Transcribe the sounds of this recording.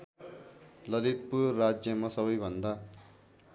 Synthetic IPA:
lʌlit̪purːad͡zjʌmasʌβʌjbʱʌnd̪a

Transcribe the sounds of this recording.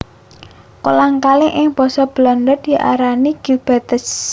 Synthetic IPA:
kolaŋkalɪŋʔɪŋb̥ɔ̤sɔb̥lɔnd̪ɔd̥̪i̤ʔa̰ɾaniɡ̥ub̥ɛt̪əs

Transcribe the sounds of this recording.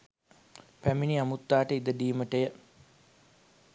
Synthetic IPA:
pæminiamut̪ːaːʈəid̪əɖiːməʈəjə

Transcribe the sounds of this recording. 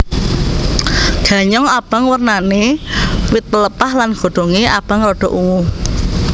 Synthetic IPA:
ɡ̥ä̤ɲɔŋab̥a̤ŋwərnanewɪt̪ːələpahlanɡ̥o̤ɖ̪̥o̤ŋeʔab̥a̤ŋrɔɖ̥ɔ̤ʔuwu

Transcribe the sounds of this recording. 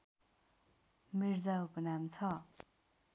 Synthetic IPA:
miɾd͡zaupʌnamt͡sʰʌ

